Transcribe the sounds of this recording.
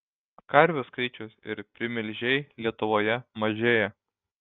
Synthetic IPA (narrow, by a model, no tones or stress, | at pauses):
kɐɾʲʋʲʊskɐɪt͡ʃʲʊsɪ̰ɾpʲɾʲɪmʲɪlʲʒʲɛɪlʲiɛt̪ʊʋoːjɛmɐʒʲeːjɛ